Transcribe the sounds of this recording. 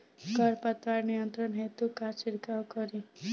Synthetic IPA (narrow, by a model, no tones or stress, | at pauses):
ɡʱʌɾpat̪ʋaɾnijʌnt̪ɾʌnɦet̪ukat͡ʃiɽkawkʌɾi